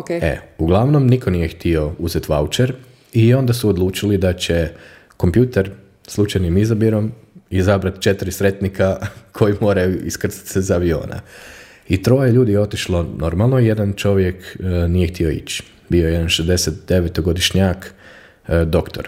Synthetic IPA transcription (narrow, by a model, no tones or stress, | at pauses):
oeḛuɡlˠaʋno̞mniko̞nijext̪io̞uzet̪ʋaut͡ʃeɾ | io̞nd̪asuod̪lˠuːt͡ʃilid̪at͡ɕe̞ | ko̞mpjuːt̪eɾ | slˠut͡ʃajnimizabiɾo̞m | izabɾat̪t͡ʃet̪iɾisɾe̞t̪nikakʰo̞jimo̞ːɾajuiskr̩si̥t̪sezaaʋio̞̰ːna̰ | it̪ɾo̞jeʎuːd̪ijeo̞t̪iʃlˠo̞no̞ɾmalˠnoije̞d̪ant͡ʃo̞ʋje̞knijext̪io̞ḭt͡ɕ | bioje̞d̪anʃezd̪e̞set̪̚d̪eʋet̪oɡo̞d̪iʃɲak | d̪o̞kt̪o̞ɾ